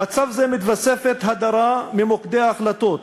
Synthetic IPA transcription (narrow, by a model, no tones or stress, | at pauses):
at͡savzemit̪vase̞fet̪ɦad̪aɾamimokd̪eaːχlat̪o̞t